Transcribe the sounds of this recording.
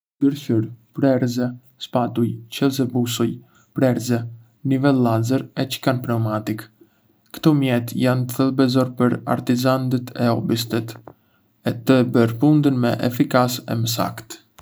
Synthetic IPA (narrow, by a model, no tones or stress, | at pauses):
dəɾçuɾpɾɛɾzɛ | spat̪ujt͡ʃɛlzɛbusuj | pɾɛɾzɛ | nivɛlːazəɾɛt͡ʃə̥kanpɾɛmat̪ikː | t̪ɔmjɛt̪jant̪əθɛlˠbɛzɔɾpəɾa̰ɾt̪izand̪ət̪ʰɛ̰ɔbis̬t̪ət̪ | ɛt̪əbəɾpund̪ənmɛ̰ʔɛ̰fikasɛ̰məs̬a̰kt̪